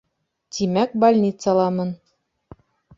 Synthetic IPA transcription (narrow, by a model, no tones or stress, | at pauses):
t̪ʰimæk̚balʲnʲit̪salˠɑmɤn